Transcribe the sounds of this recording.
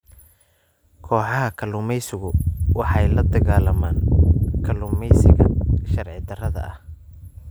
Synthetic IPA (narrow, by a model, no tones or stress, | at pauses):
kʰɔːħɑɦɐkʰɐlʊmɛjsɪɣʊwɑħɑjlɐd̪ɐɣaːlɐmaːnkʰɐlʊmɛjsɪɣɐ̰ʃɐrʕɪd̪ɐrɐðɐ̰ʔɐh